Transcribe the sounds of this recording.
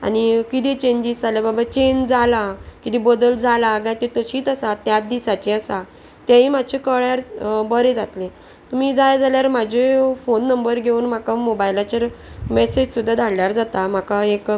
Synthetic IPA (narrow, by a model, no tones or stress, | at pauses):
a̰nikit̪it͡ɕeɲd͡ʑisd͡zaljababat͡ɕend͡zalakit̪ibəd̪əld͡zʱalaɡajt̪et̪əɕiːt̪əsat̪jat̪̚d̪isat͡ɕeəsa | t̪jãɦim̤at͡ɕʰekəɭjaɾbəɾed͡zat̪lẽ | t̪miːd͡zajd͡zaljaɾmad͡ʑʱefonːəmbəɾɡʱeuːnm̤akamobajlat͡ɕaɾmɛsed͡ʑsud̪ʱːad̪ʱaɽljaɾd͡zat̪am̤akaek